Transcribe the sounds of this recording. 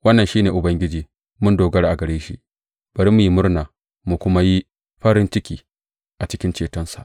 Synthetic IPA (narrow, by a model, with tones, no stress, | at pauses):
wɐ˦nːɐ˨nʃiː˦neː˨ʔʊ˨bɐ˦ŋɡʲɪ˦d͡ʒiː˨ | mʊ˦ndoː˨ɡɐ˦ɽʔa˨ɡɐ˨ɽeː˦ʃḭ˦ʔ | b̥ɐ˨ɾi˦mu˨ji˦mʊ˦ɾnaː˨ | mu˨kʷʊ˦ma˦ji˦ | ɸɐ˦ɾɪ˦nt͡ʃɪ˦kʲiː˨ | ʔa˨t͡ʃɪ˦kʲɪ˦nt͡ʃeː˨tɔ˦nsa̰˨ʔ